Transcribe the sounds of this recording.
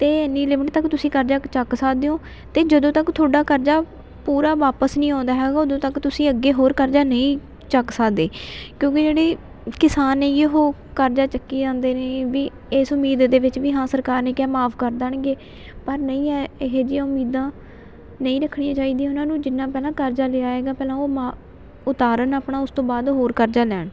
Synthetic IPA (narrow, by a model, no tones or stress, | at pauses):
t̪eːenːiːlɪməʈt̪əkt̪ʊsĩːkəɾd͡ʒaːkt͡ʃəksaːd̪eːõː | t̪eːd͡ʒəd̪õːt̪əkt̪ʰoːɽaːkəɾd͡ʒaː | puːɾaːʋaːpəsnĩːɦõːnd̪aːɦɛːɡaːoːd̪õːt̪əkt̪ʊsĩːəɡːeːɦoːɾkəɾd͡ʒaːnəĩː | t͡ʃəksaːd̪eːkjõːkɪd͡ʒeːɽeː | kɪsaːnːẽːjeɦoː | kəɾd͡ʒaːt͡ʃəkːiːd͡ʒãːnd̪eːneːʋiː | eːsʊmːiːd̪d̪eːʋɪt͡ʃʋiːɦãːsəɾkaːɾnẽːkjaːmaːpʰkəɾd̪aɳɡeː | pəɾnəĩːɛːɦeːd͡ʒijãːʊmiːd̪ãː | nəĩːɾəkʰːɳijãːt͡ʃaːiːd̪iːaːʊnãːnũːd͡ʒɪnːãːpɛːlãːkəɾd͡ʒaːleːaːeːɡaːpɛːlãːoːmaː | ʊt̪aːɾənaːpɳaːʊst̪õːbaːd̪ɦoːɾkəɾd͡ʒaːlɛːɳ